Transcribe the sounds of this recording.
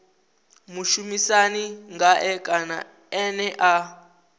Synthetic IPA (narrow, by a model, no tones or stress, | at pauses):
muʃumisaniŋɡaʔɛkʼana̰ | ɛnɛʔa